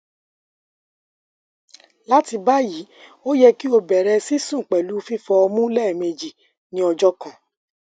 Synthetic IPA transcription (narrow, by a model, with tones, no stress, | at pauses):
la˦ti˧ba˦ji˨˦o˦jɛ˧ki˦o˧bɛ˨ɾɛ˧si˦sũ˦˨k͡pɛ˨lu˨˦fi˦fɔ˧ɔ˧mũ˦lɛ˦˨mẽ˧d͡ʒi˨ | nĩ˨˦ɔ˧d͡ʒɔ˦kã˨